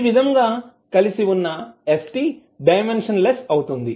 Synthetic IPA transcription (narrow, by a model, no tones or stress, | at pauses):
ʋid̪ʱɐŋɡaː | kɐlisiunːɐesʈi | ɖɐjmenʂɐnlesɐwut̪und̪i